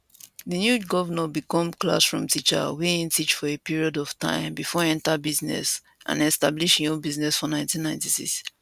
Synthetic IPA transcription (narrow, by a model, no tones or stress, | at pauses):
ðənjuɡɔvənəbikɔ̃mkla̰sfɹɔ̰̃mtʰit͡ʃa̰wiĩntʰit͡ʃfɔepiɹiodɔv̥tã̰ɪ̃mbifɔɛ̃ntabiznɛ̰s | ʔã̰nɛstabliʃĩõbiznɛsfɔnãɪ̃ntĩnːãɪ̃ntisḭks